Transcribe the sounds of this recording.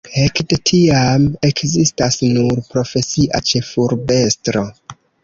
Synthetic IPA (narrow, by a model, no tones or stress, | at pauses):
he̞kdetʰiame̞kzistasnuɾpɾo̞fe̞siʔa̰t͡ʃe̞fuɾbe̞stɾo̞